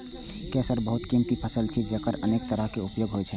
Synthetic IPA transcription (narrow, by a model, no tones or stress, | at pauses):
kɛsəɾbəɦut̪kimt̪ipʰəsəlt͡ʃʰid͡ʒekəɾəneːkt̪əɾəɦkeupjoːɡɦojt͡ʃʰɛ